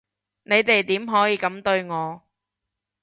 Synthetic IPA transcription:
ne˨˧jt̪e˨jt̪iː˨˥mɦɔː˨˥jiː˨˧kɐ˨˥mt̪ɵ˧ɥŋɔː˨˧

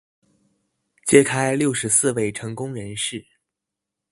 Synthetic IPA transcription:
t͡ɕjɛ˥kʰa˥ɪljo˥˩ʊʂɻ̩˧˥sɹ̩˥˧we˥˩ɪʈ͡ʂʰɤ˧˥ŋkʊ˥ŋɻə˧˥nʂɻ̩˥˩

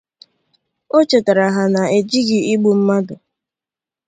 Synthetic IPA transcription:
o˦t͡ʃe˨ta˨ɾa˨ɦa˨na˨e˨d͡ʒi˦ɡɪ˨ɪ˦ɡ͡bu˨m̩˦ma˦dʊ˨

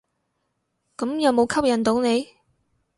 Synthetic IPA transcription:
kɐ˨˥mjɐ˨˧wmo˨˧wkʰɐ˥p̚jɐ˨˩nt̪o˨˥wne˨˧j

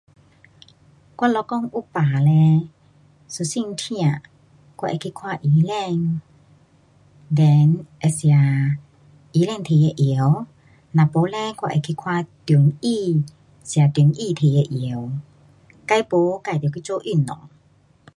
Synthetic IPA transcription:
kwa˧lɔ˧kɔ˥˧˨ŋu˦˨paː˨lɛ˧ | su˧si˧˨ŋt̪ʰĩ˧ã˧˨ | kwa˧ʔɛ˧˨kʰi˧˨kʰwa˧ʔi˨˦lɛ˧˨ŋ | dɛ˨nʔɛ˧˨sja˨ | i˨˦lɛ˥˧ŋt̪ʰe˨ɛ˧˨ʔi˨ə˦˧w | nã˨po˨˦lɛ˧˦kwa˧ʔḛ˧˨kʰi˧˨kʰwa˥˧˨t̪u˨˧˦ni˧ | si˧˨a˨t̪u˨˦nʔiː˧˨t̪ʰe˨ɛ˧˨ʔi˨ə˦w | ka˧˦jpo˨˦ka˧˩jt̪i˨kʰi˦˧˦t͡so˧ʔi˧˩˨nːɔ̰˨ŋ

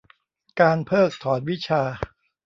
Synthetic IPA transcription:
kaː˧npʰɤː˥˩k̚t̪ʰɔː˩˦n̚wi˦˥t͡ɕʰaː˧

